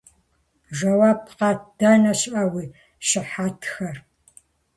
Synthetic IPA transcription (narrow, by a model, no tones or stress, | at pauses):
ʒɐwaːpqɑd̥ɐnɐɕʼʔawiː | ʃɪħatʰxɐr